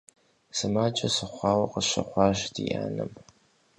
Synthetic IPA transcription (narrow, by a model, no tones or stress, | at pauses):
sɨmaːt͡ʃʼɐsɨχʷɑːwɐqəɕɐ̰χʷɑːʃdʰiʔa̰ːnɨm